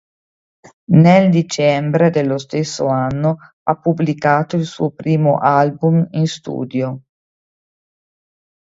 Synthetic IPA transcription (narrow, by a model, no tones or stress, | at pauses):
neld̪it͡ʃɛmbɾed̪elːost̪esːoanːo | apːublikaːt̪oilsṵːopɾiːmo̰ʔalbuminst̪ṵːd̪jo